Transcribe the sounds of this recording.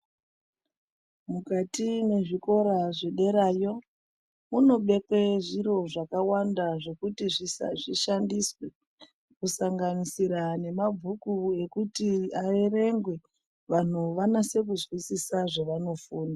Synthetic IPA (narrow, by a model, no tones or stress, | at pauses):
mukatine̞ʐiko̞ɾaʐeɗe̞ɾaːjo̞ | muno̞ɓe̞keʐiɾo̞ʐakawandaʐe̞kutiʐiʐiʃandiswe | kusaŋɡanisiɾane̞mab͡vʱukue̞kutiae̞re̞ŋɡwe̞ | ʋan̤uʋanase̞k̬uzwisisaʐeʋano̞fuːna